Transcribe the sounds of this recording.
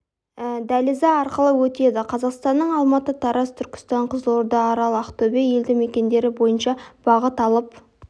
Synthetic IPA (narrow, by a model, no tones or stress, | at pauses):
d̪ælizɑɑɾqəlˠəwɵt̪e̞d̪ɪqʰɑzɑqst̪ɑnːəɴɑlˠmɑt̪ət̪ʰɑɾɑst̪ʰʏɾkʲɪ̥st̪ɑɴqʰəzəlˠoɾd̪ɑːɾɑlˠəɑqt̪ɵbeje̞ld̪ɪme̞kʲe̞nd̪e̞ɾɪbo̞jənʃɑb̥ɑʁət̪ɑlˠəp̚